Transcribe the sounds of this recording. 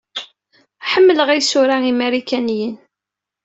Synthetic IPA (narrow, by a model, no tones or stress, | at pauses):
ħəmːələʁæjsʊɾaimæɾikænijən